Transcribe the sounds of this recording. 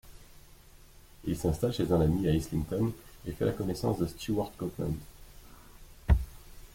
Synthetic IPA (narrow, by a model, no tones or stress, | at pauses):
ilsɛ̃st̪alʃezɛ̃namiaislĩnt̪ɔnefɛ̰lakɔnɛsɑ̰̃sd̪əst̪juaʁt̪kɔplã̰nd̪